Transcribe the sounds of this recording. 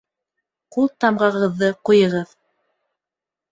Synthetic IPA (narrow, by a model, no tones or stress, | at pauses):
qulˠt̪ɑmʁɑʁɤ̆ðːɤqujɤ̆ʁɤð